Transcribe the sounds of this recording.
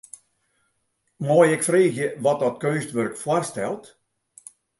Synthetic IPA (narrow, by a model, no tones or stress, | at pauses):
mɔjɛkfreːxjəʋɔt̚dɔtkøːnstʋørkfwɔrstɛ̰lˠt